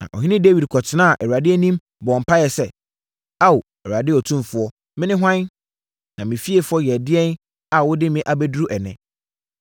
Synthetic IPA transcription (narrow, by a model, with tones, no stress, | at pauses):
nã̰˨ʔɔ̰˨ɦĩ˦nɪ̃˦de˦wi˨dkʰɔ˨tʰɪ˦nã˦a˨ʔɛ˨u˨a˨dɪ˦ɛ˦nĩ˦m | bɔ˨m̩˨pʰa˦jɛ˨sɛ˦ | a˦w | ɛ˨wu˨a˨dɪ˦ɔ˨tʰũ˦mfʊ˨˦ɔ˦ | mɪ̃˦nɪ̃˦ɦã˦n˦ | nã˨mɪ̃˨fi˦e˨fɔ˦jɛ˨dɪ˦ɛ˦n | a˨wʊ˦dɪ˦mɪ̃˨ʔa˨be˦du˦ɾu˦ʔɛ˨nɛ̃˨